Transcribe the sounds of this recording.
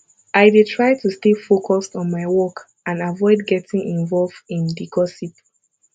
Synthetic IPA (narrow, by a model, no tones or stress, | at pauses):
ʔaɪdetʰɹaɪtustefokʰɔstɔ̃nmaɪwɔk | ãnavɔɪd̚ɡɛtĩŋĩnvɔlvdĩndikɔsip